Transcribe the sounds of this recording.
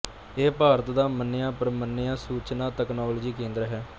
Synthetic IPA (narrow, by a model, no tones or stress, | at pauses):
eːpaːɾət̪d̪aːmənːɪjãːpəɾmənːɪjaːsuːt͡ʃnaːt̪ɛːknaːloːd͡ʒiːkẽːnd̪əɾɦɛː